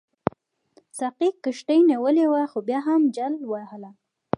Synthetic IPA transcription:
saqikːəʃʈəjniwəlewaxobjɑɦamd͡ʒalwahəla

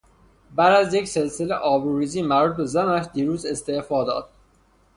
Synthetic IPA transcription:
bæd̪æzjecse̞lseleʔɒːbuɾiːziːmæɾuːt̪̚bezænæʃd̪iɾuːze̞st̪e̞ʔfɒːd̪ɒ̰ːd̪̥

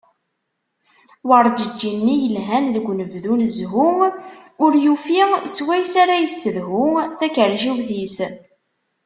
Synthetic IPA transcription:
wəɾˤd͡ʒəd͡ʒːinːijəlɦænðəɡʷːnəvðunəzɦumʊɾjufiswæjsaɾæjəsːəðɦʊθækəɾʒuwθis

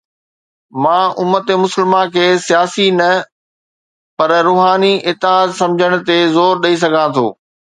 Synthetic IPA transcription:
mãːʔʊmːət̪emʊsəlmãkʰeːsijaːsinɐ | pɐɾɾuːɦaːniʔɪt̪ːɪɦaːd̪sɐ̃md͡ʑʱəɽ̃̆t̪ezoːɾɗɐis̬ɐɡʱãt̪ʰo̰ː

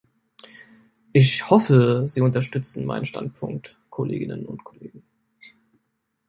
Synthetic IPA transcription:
ʔɪçhɔfəziːʊntɐʃtʏt͡sn̩ma̰ɪnən̩ʃta̰nt̚pʰʊŋk̚t | kʰolḛːɡɪnənʊ̰ntkʰoleːɡ̚ŋ̩

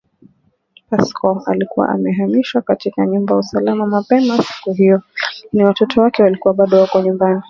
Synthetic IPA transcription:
paskʰɔalikuwa̰ʔa̰mɛɦamiʃwakatikaɲumbajausalamamapɛmasi̥kuɦijɔiniwatɔtʰɔwakɛwalikuwaɓaɗɔwakɔɲumbani

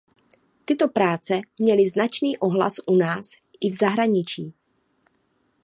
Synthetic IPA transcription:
t̪ɪt̪o̞pɾaːt͡sɛmɲɛlɪznat͡ʃniːʔo̞ɦla̰sʔunaːs | ʔɪvzaɦɾaɲɪt͡ʃiː

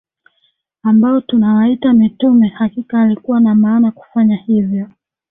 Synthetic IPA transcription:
ambaɔtunawaitamitumɛhakikaːlikuwanamaːnaku̥faɲahivjɔ

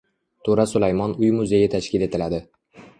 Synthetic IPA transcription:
t̪ʰoɾasʊlajmɒnʊjmʊzejɪt̪ʰaʃkʲɪle̞t̪ʰɪlad̪ɪ

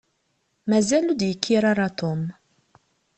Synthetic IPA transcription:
mæzælud̪jəkʰːiɾɑɾˤɑt̪om

